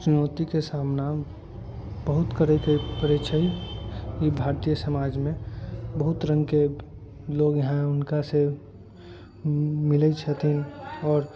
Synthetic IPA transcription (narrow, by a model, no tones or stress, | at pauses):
t͡ʃʊnɔːt̪ikesaːmna | bəɦʊt̪kəɾəikəipəɾit͡ʃʰəijibʱaːɾt̪ijəsəmaːd͡ʒmẽbəɦʊt̪ɾə̃ŋɡke | loːɡjɐɦãʊnkase | mɪlət͡ʃʰət̪ʰinɔːɾ